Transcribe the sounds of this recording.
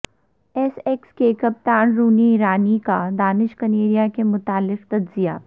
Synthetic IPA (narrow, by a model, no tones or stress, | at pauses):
ɛsɛkskeːkəp̚t̪aːnɾuːniːɾaːnikad̪aːnɪʃkɐneːɾijakemʊt̪aːlːɪqt̪ɐdzija̰ː